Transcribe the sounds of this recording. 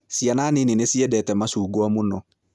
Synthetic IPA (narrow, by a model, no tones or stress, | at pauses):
sianaːnɪnɪnesiɛdɛtɛmasuːɡoamʊnɔ